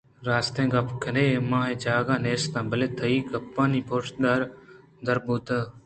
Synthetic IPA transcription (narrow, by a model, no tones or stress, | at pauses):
ɾaːst̪ẽːɡapkʰəneːmãːɦẽːd͡ʒaːɡãːneːst̪ãːbəleːt̪ʰəiːkɐpːãːniːpʰoːʃd̪aːɾ | d̪əɾbuːt̪əː